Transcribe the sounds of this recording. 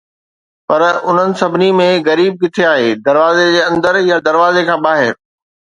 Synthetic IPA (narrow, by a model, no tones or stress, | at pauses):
pɐɾʊn̤ənɪ̆sɐbʱɪnimẽɣɐɾiːb̚ɡɪt̪ʰeaːɦeːd̪ɐɾʋaːzed͡ʑeːɐ̃nd̪əɾjad̪ɐɾʋaːzekʰãːɓaːɦɪɾ